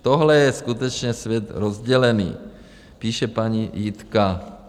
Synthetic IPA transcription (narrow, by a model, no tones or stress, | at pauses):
t̪oɦlɛjɛskut̪ɛt͡ʃɲɛsvjɛt̪ɾozɟɛlɛnḭː | piːʃɛpaɲijɪt̪ka